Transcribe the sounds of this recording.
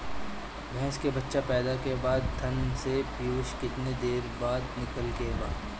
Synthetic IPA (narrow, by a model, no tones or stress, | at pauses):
ɡʱɛ̃ːskebɐtːʃapɛːd̪akebaːd̪̚t̪ʰɐnsepiuːʃkɪt̪ned̪eːɾbaːd̪nɪkəlkebaːd̪